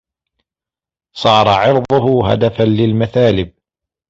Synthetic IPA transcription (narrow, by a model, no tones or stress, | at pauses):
sˤɑːɾˤɑʕɪɾðˤʊhʊɦa̰d̪afanlɪlmaθaːlɪb̚